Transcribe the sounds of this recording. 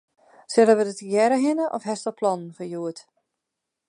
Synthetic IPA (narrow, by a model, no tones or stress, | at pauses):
sɪdəʋədətjɛɾəɦɪnəʔɔfɦɛstɔlˠpʰlɔnən̩fəjuət